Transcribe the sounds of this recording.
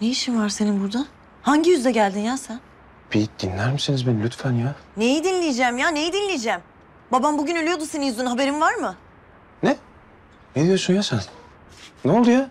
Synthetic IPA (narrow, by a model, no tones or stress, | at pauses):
nejiʃimvaɾse̞ninbuɾd̪a | haɲɟijyzd̪ɛɟælʲd̪injasæn | bid̪̥inlʲæɾmisinizbenilʲyt̪fænjane̞jid̪inlʲejed͡ʒæmjaːne̞jid̪inlʲejd͡ʒɛm | babambuɟynø̞lʲyjod̪useninjyznɦabe̞ɾimvaɾmɯ | nɛ | ned̪ijoʃunjaʃan | nolˠd̪uja